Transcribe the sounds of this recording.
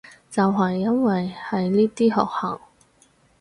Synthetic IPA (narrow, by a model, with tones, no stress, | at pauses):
t͡sɐ˨wɦɐ˨jːɐ˥nwɐ˨jhɐ˨jliː˥t̪iː˥hɔ̰ː˨k̚haː˨˩ŋ